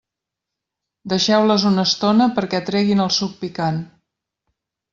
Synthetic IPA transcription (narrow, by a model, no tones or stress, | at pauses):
d̪əʃɛwləzunəst̪onəpəɾkɛt̪ɾɛɣinəlˠsuk̚pikan